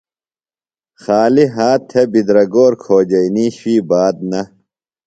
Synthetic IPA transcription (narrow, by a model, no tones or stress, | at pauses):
xaːliɦaːt̪ʰːebid̪ɾɐɡoːɾkʰoːd͡ʑɐiniːɕwiːbaːd̪̚nɐ